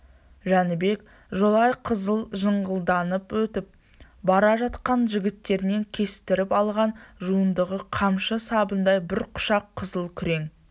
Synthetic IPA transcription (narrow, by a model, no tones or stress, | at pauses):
ʒænɪbe̞k | ʒolˠɑjqʰəzəlˠʒəɴʁəlˠd̪ɑnəpwɵt̪ɪp̚ | bɑɾɑʒɑt̪qɑnʒɪɡʲɪt̪ːe̞ɾɪne̞ŋkʲʰe̞sɪ̥t̪ɪɾɪpɑlˠʁɑnʒuənd̪əʁəqʰɑmʃəsɑbənd̪ɑjbɪɾqʰʊ̥ʃɑqʰːəzəlˠkʲʰʏɾe̞ŋ